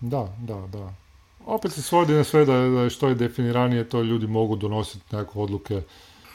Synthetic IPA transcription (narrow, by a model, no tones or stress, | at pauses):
d̪ad̪ad̪a | o̞pet̪sesʋo̞d̪inasʋed̪ad̪aʃt̪o̞jed̪efiniɾanijet̪o̞ʎuːd̪imo̞ɡud̪ono̞si̥t̪nekakeod̪lˠuke